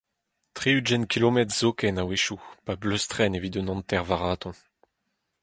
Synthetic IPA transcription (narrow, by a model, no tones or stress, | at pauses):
t̪χeyd͡ʒɛnkʲʰilomɛt̪z̥okɛnaweʃupabløst̪χɛnevid̪ønɔ̃nt̪ɛʁvaʁaːt̪ɔ̃